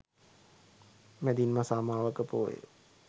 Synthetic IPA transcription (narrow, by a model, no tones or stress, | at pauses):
mɛd̪inmasaːmaːʋəkəpo̰ːjḛ